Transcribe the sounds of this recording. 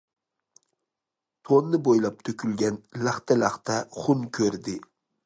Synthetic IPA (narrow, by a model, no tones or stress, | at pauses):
t̪ʰonːɨbojlˠɑp̚t̪ʰøkʲʰylɡʲɛnlæχt̪ʰɛlæχt̪ʰɛχʊnkʲʰøɾd̪ɪ